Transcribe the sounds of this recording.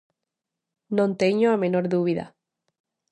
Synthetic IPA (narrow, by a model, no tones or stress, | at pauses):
nõnt̪eɲoamenoɾðuβiða̰